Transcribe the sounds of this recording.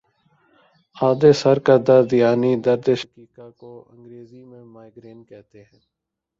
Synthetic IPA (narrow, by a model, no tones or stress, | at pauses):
aːd̪eːsəɾkəd̪ad̪ɪjaːnid̪əɾd̪eʃə̥kiːkakoə̰̃ŋɡɾeːzimẽmaːɪɡɾeːnkɛɦt̪eɦɛ̃ː